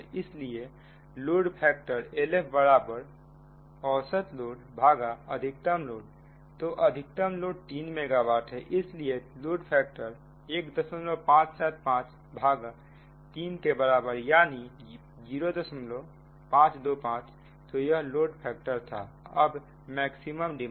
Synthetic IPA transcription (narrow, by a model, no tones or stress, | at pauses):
ɪslie | loːɖpʰɛːk̚ʈəɾelepʰbəɾaːbəɾ | ɔːsət̪loːɽbʱaːɡaəd̪ʱɪk̚t̪əmloːɽ | t̪oʔəd̪ʱɪk̚t̪əmloːɖ̚t̪iːnmeɡaʋaːʈʰɦɛʔɪslieloːɖpʰɛːk̚ʈəɾ | eːkd̪əsəmlopãːt͡ʃsɛːt̪̚pãːt͡ʃ | bʱaːɡa | t̪iːnkebəɾaːbəɾjaːni | d͡ʒiːɾod̪əsəmlo | pãːt͡ʃd̪oːpãːt͡ʃ | t̪ojəɦloːɖpʰɛːk̚ʈəɾt̪ʰa̰ | əb | mɛːksiməmɖɪ